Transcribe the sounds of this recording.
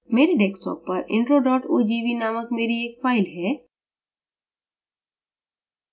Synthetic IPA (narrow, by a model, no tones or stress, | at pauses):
meːɾeɖeːksʈɔ̰ːpːɐɾɪ̰̃ɳʈɾoɖɔːʈoːd͡ʒiːʋinaːməkmeːɾieːkfaːɪlɦɛː